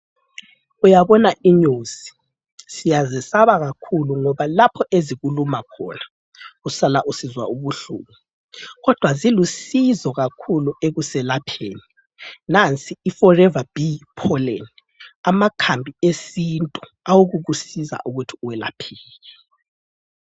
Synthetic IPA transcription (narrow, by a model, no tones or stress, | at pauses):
ujaβɔnaiɲuːzi̥ | sijazɛsaβaɣakʰuluŋɔβalapʰɔʔeziɣulumakʰɔ̰na | usalaʔusizwa̰uβuɬṵːmu | ɣɔd̥ʱwazilusizɔɣakʰulueɣusɛlapʰeːni | nant͡sʼiːfɔrɛvab̥ipʰɔleni | amakʰambʱiesintʼu̥ | awuɣuɣusiza̰ʔuɣutʰi̥uwɛla̰pʰiːɣɛ